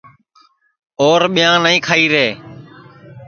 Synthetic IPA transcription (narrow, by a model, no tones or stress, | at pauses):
oːɾɓɪjãːnəĩːkʰaːiːɾeː